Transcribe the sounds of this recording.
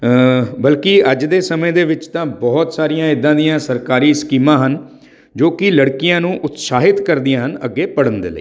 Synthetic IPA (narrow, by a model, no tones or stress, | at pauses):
bəlkɪəd͡ʒd̪eːsəmẽːd̪eːʋɪt͡ʃt̪ãːbɔːt̪saːɾijãːɪd̪ːãːd̪ijãːsəɾkaːɾiːskiːmãːɦən | d͡ʒoːkɪləɽkɪjãːnũːʔʊt̪saːɦɪt̪kəɾd̪ijãːɦənəɡːeːpəɽənd̪ḛːləiː